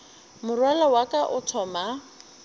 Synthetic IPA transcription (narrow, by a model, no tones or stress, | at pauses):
mʊrwalawakaʔʊtʰɔːma